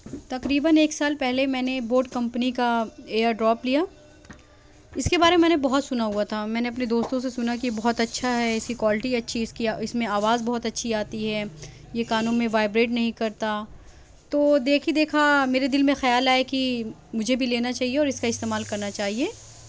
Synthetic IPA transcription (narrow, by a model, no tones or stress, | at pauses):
t̪ɐqɾiːbəneːksaːlpɛɦlemɛːneboːɾʈkɐ̃mpnikaeːəɾɖɾɔːplija | ɪskebaːɾememɛ̃ːnebɐɦɔt̪sʊnaɦuat̪ʰamɛ̃ːneɐpned̪oːst̪õsesʊnakijebɐɦɔt̪ɐtːʃʰaɦɛɪskikwaːlɪʈiɐtːʃʰiɪskiɪsmẽaːʋaːzbɔɦɔt̪ɐtːʃʰiaːt̪iɦɛ | jekaːnũːnmẽʋaːɪbɾeːʈnɐɦĩkɐɾt̪a | t̪oːd̪eːkʰid̪eːkʰameːɾed̪ɪlmẽxɐjaːlaːeki | mʊd͡ʒʱebʱileːnat͡ʃaːɦieɔːɾɪskaɪst̪eːmaːlkɐɾnat͡ʃaːɦieː